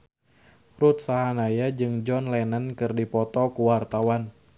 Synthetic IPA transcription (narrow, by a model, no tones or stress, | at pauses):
rut̪̚saɦanajad͡ʒɨŋd͡ʒɔnlɛnənkɨrdipɔt̪ɔkuwart̪awan